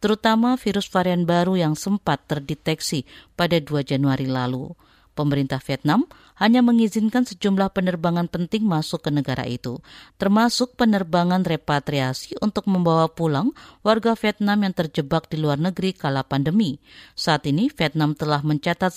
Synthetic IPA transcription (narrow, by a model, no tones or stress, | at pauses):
t̪əɾut̪amafiɾʊsfaɾianbaɾujaŋsəmpat̪ːərdit̪ɛksipadaduad͡ʒanuaɾilalṵ | pəməɾint̪ahfiɛt̪̚nam | haɲaməŋizɪnkansəd͡ʒumlahpənərbaŋanpənt̪ɪŋmasʊkːənəɡaɾa̰ʔḭt̪ut̪ərmasʊk̚pənərbaŋanrepat̪ɾiasiunt̪ʊk̚məmbawapulaŋwarɡafiɛt̪̚namjaŋt̪ərd͡ʒəbak̚diluarnəɡɾikalapandəmisaat̪inifiɛt̪̚namt̪əlahməɲt͡ʃat̪at̪̚